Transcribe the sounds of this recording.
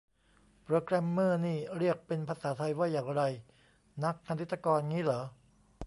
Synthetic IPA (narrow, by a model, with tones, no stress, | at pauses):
pɾoː˧kɾɛː˧mːɯ˥˩niː˥˩ɾi˥˩ək̚pe˧npʰaː˧saː˩˦t̪ʰa˧jwaː˥˩jaː˨˩ŋɾa˧j | na˦˥k̚ʰːa˧t̪ʰi˦t̪ːa˧kɔː˧nŋiː˦˥lɤː˩˦